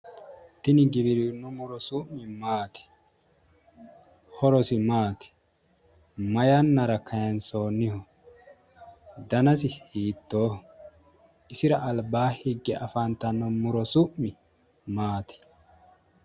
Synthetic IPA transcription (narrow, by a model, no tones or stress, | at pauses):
t̪ɪnɪɡɪβɪɾɪnːɔmʊɾɔsʊʔmɪmaːt̪ɪ̥ | hɔɾɔsɪmaːt̪ɪ̥ | mɐjɐnːɐɾɐkʰɐjɐnsoːnːɪhɔ | d̪ɐnɐs̬ɪhiːt̪ːoːh | ɪsɪɾɐɐlbaːhɪɡːɛʔɐfɐnt̪ːɐnːɔmʊɾɔsʊʔmɪ | maːt̪ɪ̥